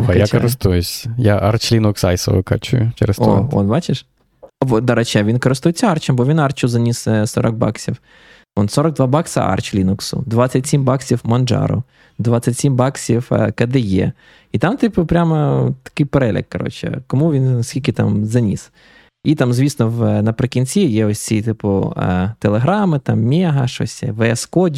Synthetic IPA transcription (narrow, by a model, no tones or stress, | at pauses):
ɐjjakɔɾɪst̪ujʊsʲɐjaʔɐrt͡ʃlʲinʊksɑjsɔ̰ʋɪ̰kɐ̰t͡ʃʊ̰jʊt͡ʃɛ̰ɾɛ̰sɔɔ̰t̪bɑt͡ʃɪʃ | ɔd̪ɐɾɛt͡ʃɛʋʲinkɔɾɪst̪ʊjet͡sʲːɐart͡ʃɐmbɔʋʲinɑrt͡ʃʊzɐnʲissɔ̰ɾɐɡ̚bɑ̰ksʲiw | ɔnsɔɾɐɡ̚d̪ʋabɑksɐ̰ʔa̰rt͡ʃlʲinʊksʊ̰d̪ʋasʲːɐtʲsʲimbɑksʲiwmɐnʒɑ̰ɾʊ̰ | d̪ʋat͡sʲːɐtʲsʲimbɑksʲiwkɐd̪ejɛ̰ | it̪ɑmt̪ɪpʊpɾʲamɐt̪ɐ̥kɪjpeɾɛlʲɐ̰kːɐɾɔ̰t͡ʃɛ̰kɔmuʋʲinsʲkʲilʲkʲɪt̪a̰mzɐnʲḭs | it̪amzʲʋʲisnɔwnɐpɾɪkʲinʲt͡sʲijɛɔsʲt͡sʲit̪ɪpʊ̰t̪elˠeɦɾɑmɪt̪ɑmmʲɛɦɐʃɔ̰sʲɛ̰ʋeɛskɔdʲ